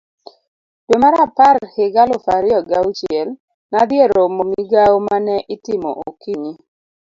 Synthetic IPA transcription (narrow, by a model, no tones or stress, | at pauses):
d̥omaɾaparhɪɡalofaɾɪɔɡawt͡ʃɪɛl | nad̪ɪeɾomomiɡaomanɛʔɪtɪmo̰ʔokiɲi